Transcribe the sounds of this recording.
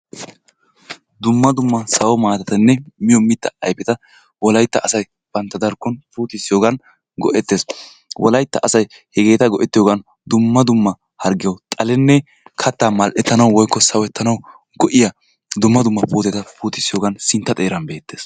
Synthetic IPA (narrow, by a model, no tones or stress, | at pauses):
d̪ʊmːɐd̪ʊmːɐsɐwɔmaːt̪ɐt̪ɐnːɛmɪjɔmɪt̪ːɐɐjpɛt̪ɐ | wɔlɐjt̪ːɐːsɐj | b̥ɐnt̪ːɐd̪ɐɾkːɔnpuːt̪ɪsːɪjoːɡɐn | ɡɔ̰ʔɛt̪ːes | wʔɔ̰lɐjt̪ːɐʔɐsɐj | hɛɡe̞ːt̪ɐɡɔʔɛt̪ːɪjoɡɐn | d̪ʊmːɐd̪ʊmːɐ | hɐɾɡɪjɐwt̪ʼɐlɛnːɛ | kʰɐt̪ːaːmɐlʔɛt̪ːɐnɐwwɔjkːɔsɐwɛt̪ːɐnɐw | ɡɔʔɪjɐ | d̪ʊmːɐd̪ʊmːɐpuːt̪ɛt̪ɐpuːt̪ɪsːɪjoːɡɐnsɪnt̪ːɐt̪ʼeːɾɐnbe̞ːt̪ːe̞ːs